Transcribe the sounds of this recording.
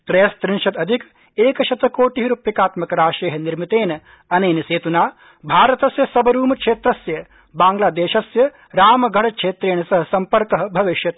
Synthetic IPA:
k̪ɾɐjɐst̪ɾɪnʃɐt̪ɐd̪ʱik | eːkɐʃɐt̪ɐkoːʈiɦiɾupjɐkaːt̪mɐkɐɾaːʃeːɦɐniɾmit̪eːnɐ | ɐneːnɐseːt̪unaː | bʱaːɾɐt̪ɐsjɐsɐbɐɾuːmɐkʂeːt̪ɾɐsjɐ | baːŋɡlaːd̪eːʃɐsjɐ | ɾaːmɐɡʱɐɽɐkʂeːt̪ɾeːɳ̃ɐsɐɦɐ̆sɐmpɐɾkɐɦɐ̆bʱɐʋiʃjɐt̪

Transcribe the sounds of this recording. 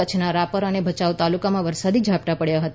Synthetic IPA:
ət͡ʃʰnaɾapəɾənebʱət͡ʃaʋt̪alukamãʋəɾsad̪id͡ʒʱapʈapəɽjaɦət̪

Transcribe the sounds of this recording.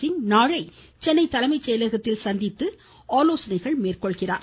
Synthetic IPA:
ɪnnaːɻɐɪ | t͡ʃɛnːɐɪt̪ːɐlɐmɐɪt͡ʃːɛjɐlɐɣɐt̪ːɪlsɐnd̪ɪt̪ːɯ | aːloːsɐnɐɪɣɐɭmeːrkɔɭɣɪra̰ːɾ

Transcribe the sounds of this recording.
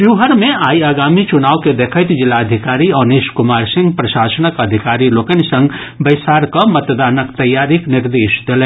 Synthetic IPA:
bjuɦəɾmẽaːiaɡamit͡ʃunaːwked̪ekʰət̪d͡ʒilːaəd̪ʱikaɾiəneʃkumaɾsɪ̃ŋɡpɾəʃasənəkəd̪ʱikaɾilokənisə̃ŋɡ | bəɪsaɾkɔmət̪d̪aːnəkt̪əjːaɾikniɾd̪eːʃd̪elɛ

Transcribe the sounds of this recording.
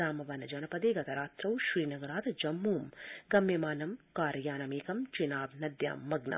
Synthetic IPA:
aːmɐʋɐnɐd͡ʒɐnɐpɐd̪eːɡɐt̪ɐɾaːt̪ɾɐwʃɾiːnɐɡɐɾaːt̪ɐd͡ʒɐmːuːmɡɐmjɐmaːnɐmkaːɾɐjaːnɐmeːkɐmt͡ʃinaːbnɐd̪ja̰ːmːɐɡnɐ̰

